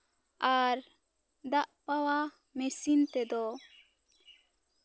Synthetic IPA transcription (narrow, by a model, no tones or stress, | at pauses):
aɾ | d̪aʔpawa | mesint̪ed̪o